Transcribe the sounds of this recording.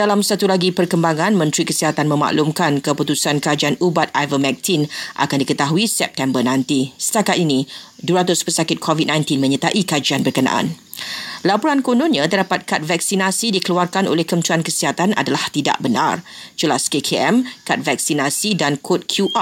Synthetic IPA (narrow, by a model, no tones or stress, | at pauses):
dalamsat̪ulaɡipərkəmbaŋãnmə̃nt̪ɾikəsiɦat̪anmə̃ma̰ʔlumkankəput̪usankəɾad͡ʒaanubat̪̚ajvəmɛk̚t̪ʰinʔa̰kandikət̪aɦuisɛp̚t̪ɛmbərnãnt̪isə̥t̪akat̪inĩduəɾat̪̬ʊspəsakɪt̪̚kʰovit̪̚nãjnt̪inmə̃ɲət̪aʔikad͡ʒanbərkəna̰ʔa̰n | lapɔɾankonõnɲãt̪ərdapat̪̚kat̪̚vak̚sinasidikəluarkano̰lɛhkənt̪uankəsiɦat̪ana̰dalaht̪ida̰ʔbəna̰rd͡ʒəlaskekʰeɛmkat̪̚vak̚sinasidankʰot̪̚kʰjuʔa